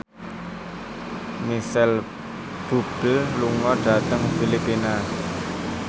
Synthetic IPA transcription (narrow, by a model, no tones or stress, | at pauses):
misɛl | b̥ṳb̥əlluŋɔɖ̥ä̤t̪əŋfilipːina